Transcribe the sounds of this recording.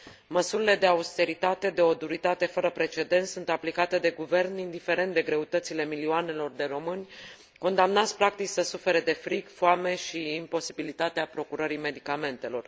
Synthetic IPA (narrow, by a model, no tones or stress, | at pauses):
məsuɾile̞d̪e̞aust̪e̞ɾit̪at̪e̞d̪e̞o̞d̪uɾit̪at̪e̞fəɾəpɾe̞t͡ʃe̞d̪e̞nt̪sunt̪aplikat̪e̞d̪e̞ɡuve̞rnind̪ife̞ɾe̞nt̪d̪e̞ɡɾe̞ut̪ət̪sile̞milioane̞lo̞rd̪e̞ro̞mɨnʲ | ko̞nd̪amnat̪sʲpɾak̚t̪it͡ʃʲsəsufe̞ɾed̪e̞fɾikfoame̞ʃiːmpo̞sibilit̪at̪eapɾo̞kuɾəɾime̞d̪ikame̞nt̪e̞lo̞r